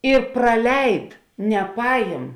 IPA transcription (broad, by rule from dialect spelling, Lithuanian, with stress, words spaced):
ɪ prɐˈlʲɛɪt nʲɛˈpɑːjɪm